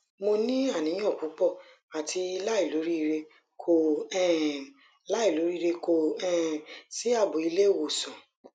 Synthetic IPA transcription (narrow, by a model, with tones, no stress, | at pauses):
mo˧nĩ˦a˦˨nĩ˨˦j̃ɔ̃˦˨ku˨˦k͡pɔ˦˨ | a˨tʰi˧la˦i˦˨lo˨˦ɾi˦˧ɾe˧ | kʰo˦˨ɛ̃˦˨˦ | la˦i˦˨lo˨˦ɾi˦˧ɾe˧ko˦˨ɛ̃˦˨si˦a˦˨bo˨i˧le˦˨wo˨sɔ̃˨